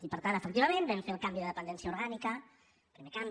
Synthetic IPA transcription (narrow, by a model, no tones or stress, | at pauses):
ipəɾt̪anəfək̚t̪iβəmẽnbɛmfeəlˠkambiðəðəpənd̪ɛnsiəuɾɣanikə | pɾimekam